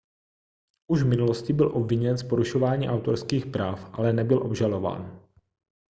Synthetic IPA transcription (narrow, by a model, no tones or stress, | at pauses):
ʔuʒvmɪnuloscɪbɪlʔo̞bvɪɲɛnspo̞ɾuʃovaːɲiːʔawt̪oɾskiːxpɾaːfʔa̰lɛnɛbɪlʔo̞bʒalo̞va̰ːn